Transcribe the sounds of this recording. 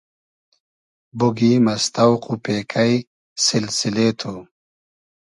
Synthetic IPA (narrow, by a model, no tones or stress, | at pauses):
buɡimɐst̪awqupeːkʰaj | sɪlsilet̪ʰu